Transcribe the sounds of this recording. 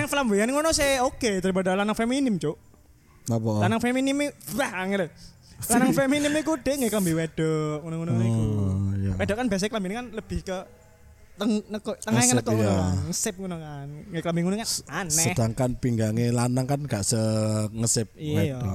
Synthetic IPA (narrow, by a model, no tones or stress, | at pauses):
aŋflamejanŋonɔseoket̪əɾip̬adalanaŋfeminɪmt͡ʃo | apɔlanaŋfeminɪmebahaŋɪɾ | lanaŋfeminɪmekud̥e̤ŋɡakləmbiwed̥ɔʔŋonoŋunoikuja̰wedɔʔkanbias̬klambinikanləb̥ɪhkə | t̪əŋnəkɔt̪əŋajŋənəkɔkaŋəsɪp̚ŋunokanŋɡəklambiŋunokaansɛəd̥aŋkanpiŋɡaŋelanaŋkanɡaʔsəŋəsɪp̚ido